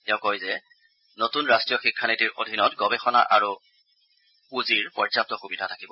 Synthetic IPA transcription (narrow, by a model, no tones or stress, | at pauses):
tɛʊ̃kojzɛ | notunɹastɹijɔxikʰːanitiɹʔodʱinɔtɡɔbɛxɔna̰ʔaɹu | uziɹpɔɹzap̚tɔxubidʱatʰakibɔ